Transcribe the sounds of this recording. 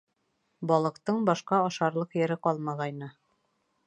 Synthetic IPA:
bɒlˠɤ̆qt̪ɤɴbɒʃqɑɑʃɑɾlˠɤqjɘ̆ɾɘqɑlˠmɑʁɑjnɤ

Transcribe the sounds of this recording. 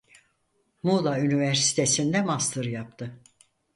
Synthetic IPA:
mulˠaynivæɾsi̥t̪ʰe̞sind̪ɛmast̪ʰɯɾjapt̪ʰɯ

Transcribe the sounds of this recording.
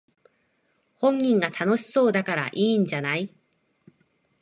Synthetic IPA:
hõ̞ɲːĩŋɡat̪ʰano̞ɕi̥so̞ːd̪akaɾa̰ʔĩːɲ̟d͡ʑanai

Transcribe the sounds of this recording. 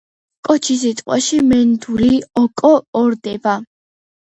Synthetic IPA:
kʼɔt͡ʃʰis̬it̪ʼqʼwa̰ʃimɛnd̪uliɔkʼɔːɾd̪ɛba

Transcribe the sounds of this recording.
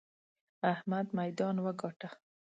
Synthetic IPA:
ahmad̪majd̪ɑnwaɡɑʈa

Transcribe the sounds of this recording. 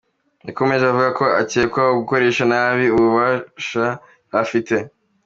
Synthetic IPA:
niko̞me̞ʒeβavuɡako̞aceːkwaoɡuko̞ɾe̞ːʃanaβiuβuβaːʃa | hafite̞

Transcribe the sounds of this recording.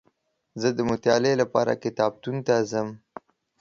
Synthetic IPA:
zəd̪əmʊt̪jɑlelapɑ̰ɾa̰kɪt̪ɑb̚t̪unt̪azəm

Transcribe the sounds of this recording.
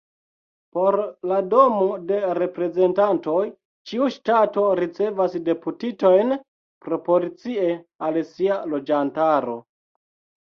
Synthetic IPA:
poɾlado̞mo̞de̞ɾe̞pɾe̞ze̞ntanto̞j | t͡ʃiuʃtato̞ɾit͡se̞vasde̞putito̞jn | pɾo̞po̞lit͡siealsialo̞d͡ʒantaɾo̞̰

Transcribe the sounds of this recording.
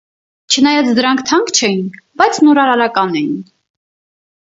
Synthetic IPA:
t͡ʃʰənɑjɑt͡sʰd̪əɾɑŋkʰt̪ʰɑŋkt͡ʃʰɛjinbɑjt͡sʰnɔɾɑɾɑɾɑkɑnɛjin

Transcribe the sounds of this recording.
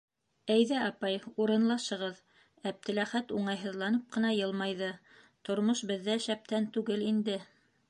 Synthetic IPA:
æjðæɑpɑjuɾɤ̆nlˠɑʃɤ̆ʁɤð | æp̚t̪ɘ̆læχæt̪uɴɑjɦɤ̆ðlˠɑnɤp̚qɤ̆nɑjɤ̆lˠmɑjðɤ | t̪ŏɾmoʃbɘ̆ðːæʃæp̚t̪ænt̪ʉɡɘlind̪ɘ

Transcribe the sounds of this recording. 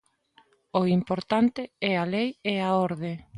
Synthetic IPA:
oimpoɾt̪ant̪ɪɛalejɛaoɾðe

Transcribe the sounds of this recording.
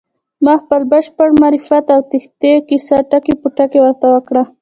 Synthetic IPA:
maxpalbaʃpaɽmaɾifat̪awt̪ɪxt̪ekɪsaʈakipʊʈakewaɾt̪awakɽa

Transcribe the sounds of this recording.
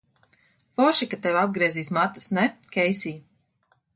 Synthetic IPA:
fɔʃikat̪ɛwab̚ɡɾiɛziːsmat̪ːu̥snɛkʲɛjsʲiː

